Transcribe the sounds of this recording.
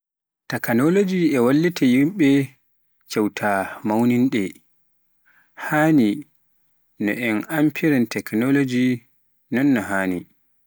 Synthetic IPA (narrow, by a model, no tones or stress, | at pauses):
takanolod͡ʒiɛwalːitajimɓɛ | t͡ʃawtʰamawninɗɛ | haːni | nɔ̰ʔɛnampʰiɾɛntɛknɔlod͡ʒi | nɔnːɔɦaːni